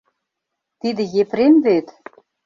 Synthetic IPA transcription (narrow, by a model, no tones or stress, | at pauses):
t̪id̪ɘ̆jepɾenvet̪